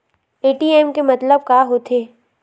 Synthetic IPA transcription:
eːʈiːɛːmkemɐt̪ləb̚kaːɦoːt̪ʰeː

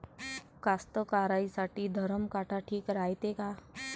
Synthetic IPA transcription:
kast̪əkaɾaisaʈiːd̪ʱəɾəmkaʈʰaʈʰiːkɾait̪eka

